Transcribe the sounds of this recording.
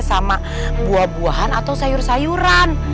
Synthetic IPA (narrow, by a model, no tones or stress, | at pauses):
sama | buahbuaɦanat̪awsajʊrsajuɾan